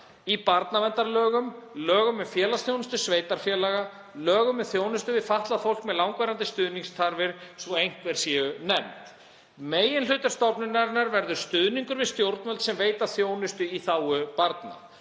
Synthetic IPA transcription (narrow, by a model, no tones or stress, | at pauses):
ipaɾt̪namɛnt̪aɾlœːɣʏmlœːɣʏmːɛðfjɛːlast̪jownʏst̪ʏsveːjt̪aɾ̥fjɛːlaɣa | lœːɣʏmːɛðθjoːwnɪst̪ʏvɪðfaht̪laðfowl̥kmɛðlawŋkvɛɾant̪ɪst̪ʏðniŋst̪ʰaɾvɪɾ̥sɔejŋ̥kvɛɾ̥sjɛʏnɛmt̪ | meːjɪnlʏːt̪aɾ̥st̪ɔpnʏnaɾnaɾvɛɾðʏɾ̥st̪ʏðniŋkʏɾvɪðst̪jowɾt̪mœlt̪sɛmveːjt̪aθjoːwnɪst̪ʏiθaːwʏpaɾt̪na̰